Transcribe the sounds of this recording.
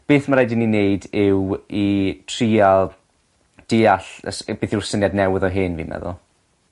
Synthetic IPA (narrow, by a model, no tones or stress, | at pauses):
b̥eːθmaɾajdininejdɪwitʰriːalˠ | d̥ɪːaɬəsb̥eːθɪwrsənjadnɛwɪðɔɦɨːnvḭːmɛ̰ðʊ̰lˠ